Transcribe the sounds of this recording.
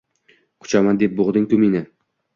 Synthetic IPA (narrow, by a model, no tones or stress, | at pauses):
qʰʊ̥t͡ʃamand̪ep̚boʁd̪ɪŋkʲʊminɪ